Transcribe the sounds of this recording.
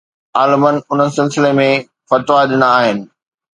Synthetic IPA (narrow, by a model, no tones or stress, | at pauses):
aːlɪmənɪ̆ʊn̤ənɪ̆sɪlsɪlemẽ | fɐt̪ʋaɗɪnəaːɦɪnɪ̆